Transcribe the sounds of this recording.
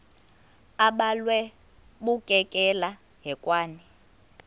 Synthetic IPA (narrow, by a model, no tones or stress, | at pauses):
aɓalwɛ | ɓukʼɛkʼɛla | ɦɛkʼwaːni